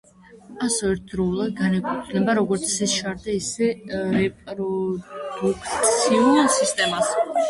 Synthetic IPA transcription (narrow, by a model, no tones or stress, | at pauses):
asɔɛɾt̪̚ʰd̪ɾɔulˠad̪̚ɡanɛkʰʼut̪ʰnɛbaɾɔɡɔɾt̪sʰɛsʃaɾd̪aisɛɾɛpʼɾɔd̪̥ukʰt̪siusist̪ʼɛmas